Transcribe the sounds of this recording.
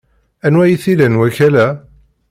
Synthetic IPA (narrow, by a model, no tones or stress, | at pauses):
ænwæjiθilænwæçælæ